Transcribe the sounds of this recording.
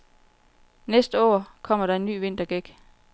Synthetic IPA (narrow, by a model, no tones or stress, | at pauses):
nesd̥əɒ̰ːkʰɒ̽m̰ɐɾɑ̈e̝nːy̰ːʋe̝n̰d̥ɐɡ̥eɡ̥